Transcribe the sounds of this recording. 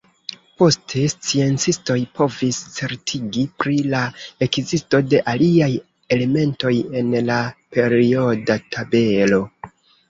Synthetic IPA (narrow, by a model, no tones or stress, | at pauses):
po̞stʰe̞st͡sie̞nt͡sisto̞jpʰo̞vist͡se̞ɾtʰiɡipɾilae̞kzisto̞de̞ʔaliaj | e̞le̞me̞nto̞je̞nlape̞ɾio̞datʰabe̞lo̞